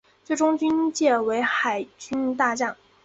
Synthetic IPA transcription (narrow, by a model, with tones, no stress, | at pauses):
t͡swe˥˩ɪʈ͡ʂʊ˥ŋt͡ɕy˥nt͡ɕjɛ˥˩we˧˥ɪxa˨˩ɪt͡ɕy˥nt̪̬a˥˧t͡ɕjɑ˥˩ŋ